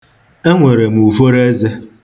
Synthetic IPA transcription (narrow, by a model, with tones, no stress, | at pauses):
e˦ŋʷe˨ɾe˨m̩˨u˨fo˦ɾe˦ze˦